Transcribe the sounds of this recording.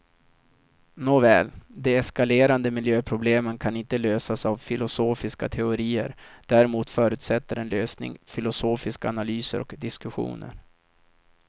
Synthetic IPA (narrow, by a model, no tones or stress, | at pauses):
noːvɛ̰ːld̪ɛɛskaleːɾand̪əmɪljøːpʰɾʊbleːmənkʰanɪnt̪əløːsasavfɪlʊsoːfɪska̰t̪ʰɛʊɾiːəɾd̪̥æɾɛmuːt̪fœːɾʉ̟ːt̪sɛt̪ːəɾɛnløːsnɪ̰ŋfɪlʊsoːfɪskaanalyːsə̰ɾɔ̰kd̪ɪskɵɧṵːnə̰ɾ